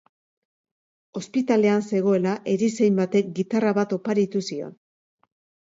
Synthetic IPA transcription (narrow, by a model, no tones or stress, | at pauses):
o̞spit̪ale̞anse̞ɣ̞o̞e̞laʔe̞ɾise̞jmbat̪e̞k̚ɡit̪araβat̪o̞paɾit̪usio̞̰n